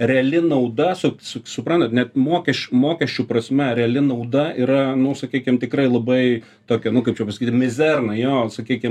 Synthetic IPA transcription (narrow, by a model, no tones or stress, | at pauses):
rʲɛɐlʲɪnɐʊd̪ɐsʊsʊsʊpɾɐnt̪ɐt̪nʲɛt̪moːkʲɛʃʲt͡ʃʲmoːkʲɛʃʲt͡ʃʲuːpɾɐsʲmʲɛɾʲɛɐlʲɪnɐʊd̪ɐiːɾɐnʊsɐkʲiːkʲɪmt̪ʲɪkrɐɪlˠɐbɐɪ | t̪oːkʲɛnʊkɐɪpt͡ʃʲɛpɐsɐkit̪ʲmmʲɪzʲɛrnɐjoːsɐkʲiːkʲɪm